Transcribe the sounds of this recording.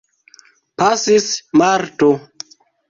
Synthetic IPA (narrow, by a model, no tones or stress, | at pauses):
pasismaɾto